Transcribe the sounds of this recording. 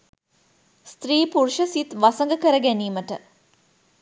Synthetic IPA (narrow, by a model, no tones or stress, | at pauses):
st̪ɾiːpuɾuʃəsit̪ʋasəŋɡəkəɾəɡæniːməʈə